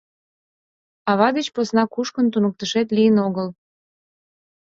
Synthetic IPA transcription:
ɑβɑd̪ət͡ɕposnɑkuʃkənt̪unək̚t̪əʃet̪lijənoɣəl

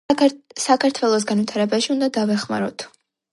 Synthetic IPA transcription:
sakʰaɾt̪ʰwɛlˠɔs̬ɡanvwit̪ʰaɾɛbaʃiund̪ad̪avɛχma̰ɾɔt̪ʰ

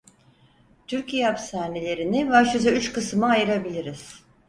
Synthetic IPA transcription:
t̪ʰyɾcʰijeapsaːnelʲe̞ɾinivaʃyzɛyt͡ʃkɯsmɯajɯɾabilʲiɾiz̥

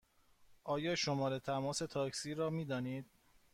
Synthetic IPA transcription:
ʔɒːjɒːʃomɒːɾe̞t̪ʰæmɒːse̞t̪ʰɒːcʰsiːɾɒːmiːd̪ɒːniːd̪̥̚

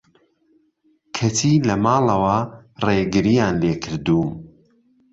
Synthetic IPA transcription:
kʰɐt̪ʰilɐmɑːlˠɐwɐreɡɨɾijaːnleːkʰɨɾd̪uːm

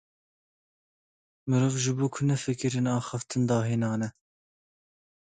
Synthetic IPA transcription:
mɨɾoːvʒɨbuːkʰʊnɛfɨkɨɾinɑːxɑft̪ʰɨnd̪ɑːɦiːnɑːnɛ

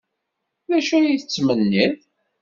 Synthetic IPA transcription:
ðæʃujiθət͡sːmənːið

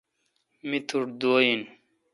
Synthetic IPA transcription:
mit̪ʰuʈd̪oːjin

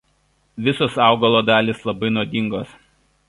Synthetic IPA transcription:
ʋʲɪsoːsɑˑʊɡɐlˠoːd̪ɑːlʲiːslˠɐbɐɪnoːd̪ʲɪŋɡoːs

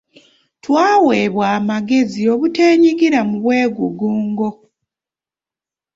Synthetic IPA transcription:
twaːwe̞ːβwaːmaɡe̞zio̞βute̞ːɲiɡiɾamuβwe̞ːɡuɡuːŋɡo̞

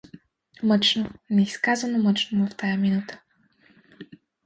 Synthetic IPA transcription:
mət͡ʃnonɛiskazɐnomət͡ʃnovɐft̪ʰajaminut̪ə̥

